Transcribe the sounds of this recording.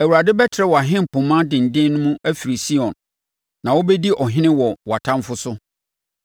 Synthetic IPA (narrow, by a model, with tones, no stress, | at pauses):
æ˨wu˨ɾa˨dɪ˦bɛ˦tʰɾɛ˦wɔ˨a˨ɦɪ̃˦m˨pʰʊ̃˨mã˦dɪ̃˨n̩˨dɪ̃˦nnːʊ̃˦mũ˦ʔæ˦fi˨ɾi˨si˦ɔ̃˨nː | ã˨wo˦bɛ˦di˦ʔɔ˨ɦɪ̃˦nɪ̃˦wɔ˨wɔ˨a˨tʰã˦m˦fʊ˦sʊ˦